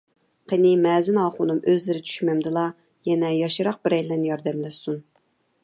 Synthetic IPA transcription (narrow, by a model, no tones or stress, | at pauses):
qʰenɪmɛːzɪnɑːχʊnumʔøzlɪɾɪt͡ʃʰy̥ʃmɛmd̪ɨlˠɑ | jɛnɛjɑʃɨɾɑq̚bɪɾɛjlːɛnjɑɾd̪ɛmlɛsun